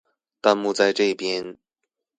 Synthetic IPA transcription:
t̪a˥˧nmu˥˧t͡sa˥˧ɪʈ͡ʂɤ˥˩i˥˩pjɛ˥n

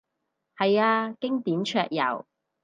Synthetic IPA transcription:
hɐ˨jaː˧kɪ˥ŋt̪iː˨˥mt͡ʃʰœː˧k̚jɐ̰˨˩w

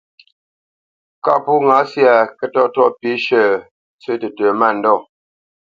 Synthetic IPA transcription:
ka˦˨pu˦ŋa˨˦sja˨kə˦tɔ˦tɔ˦pi˨˦ʃə˦˨ | t͡sə˦tə˨tə˨ma˦˨n̩˨dɔ˦˨

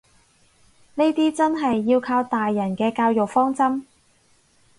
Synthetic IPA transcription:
ne˥jt̪iː˥t͡sɐ˥nɦɐ˨jːiː˧wkʰaː˧wt̪aː˨jːɐ˨˩nkɛː˧kaː˧wjo˨k̚fɔː˥ŋt͡sɐ˥m

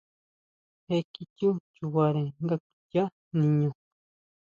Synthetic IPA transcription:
he˦ki˦cu˦t͡ʃu˨wa˨ɾe˨ŋɡa˦ku̥˨ca˦ | nĩ˨ɲõ˨

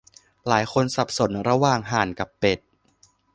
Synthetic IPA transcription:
laː˩˦jxʰo˧nsa˨˩p̚so˩˦nɾa˧waː˨˩ŋɦaː˨˩˦nka˨˩pːe˨˩t̪̚

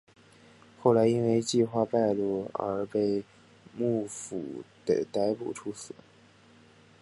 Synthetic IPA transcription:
xo˥˩ʊla˧˥ɪi˥nwe˥˧ɪt͡ɕi˥˧xwa˥˧pa˥˧ɪlu˥˩ə̰˧˥pe˥˧ɪ | mu˥˩fṵ˨˩d̪̥ə̰˧˩t̪a˥ɪpṵ˨˩ʈ͡ʂʰu˥sɹ̩˨˩˦

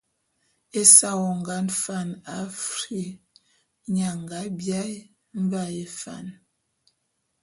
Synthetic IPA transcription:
e˦sa˦wɔ˨ŋ˨ɡa˨˦nfa˦˨na˨fɾi˦ | ɲa˨ŋɡa˨˦bja˦j | m̩˦ba˦˨e˨fa̰˦˨n

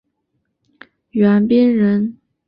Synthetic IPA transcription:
ɥɛ˧˥npi˥nɻə˧˥n

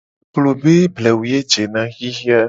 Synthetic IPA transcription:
klo˨be˦blɛ˨wu˨je˦d͡ʒe˨nã˦ɣi˦ɦi˦a˦

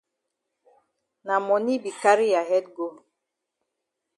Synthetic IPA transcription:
na˨mɔ˨ni˦bi˨ka˦ɾi˦ja˨ɦɛ˦d̚ɡo˦

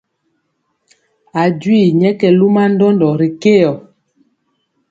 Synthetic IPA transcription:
a˨d͡ʒwi˦˨ɲɛ˦kɛ˨lu˦ma˦n˦dɔ˦ndɔ˨ɾi˨ke˦jɔ˨

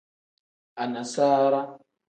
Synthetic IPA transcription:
a˨na˨saː˦ɾa˦

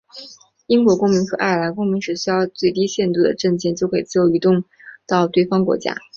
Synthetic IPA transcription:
i˥ŋkwɔ˧˥kʊ˥ŋmi˧˥ŋxɤ˧˥ʔa˥˩ɪ˩la˧˥ɪkʊ˥ŋmi˧˥ŋʂɻ̩˧˥˩ɕy˥jɑ˥˧ʊt͡swe˥˩ɪt̪i˥ɕjɛ˥˧nt̪u˥˩d̪ə̰˩ʈ͡ʂə˥˧ŋt͡ɕjɛ˥˩nt͡ɕjo˥˧ʊkʰɤ˧˥˨t͡sɹ̩˥˩jo˧˥ʊy˧˥t̪ʊ˥˧ŋ | t̪ɑ˥˧ʊt̪we˥˩ɪfɑ˥ŋkwɔ̰˧˥t͡ɕja̰˥

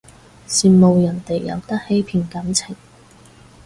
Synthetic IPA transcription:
siː˨mo˨˧wjɐ˨˩nt̪e˨jːɐ̰˨˧wt̪ɐ˥k̚he˥jpʰiː˨˧˩nkɐ˨˥mt͡sʰɪ˨˩ŋ

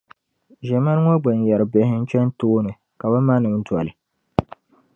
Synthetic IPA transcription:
ʒɛ˨ma˦n˦ŋɔ˦ɡ͡bɛ˨n˨jɛ˨ɾɨ˨be˨˦hɪ˦n̩˦t͡ʃɛ˦n˦toː˦nɨ˨ | ka˨ba˦ma˦nɨ˨m˦twa˨lɨ˨

